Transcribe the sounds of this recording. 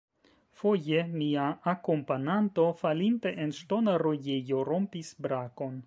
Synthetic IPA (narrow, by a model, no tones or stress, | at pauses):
fo̞jemiaakompananto̞falinteʔenʃto̞naɾojejo̞ɾo̞mpisbɾako̞n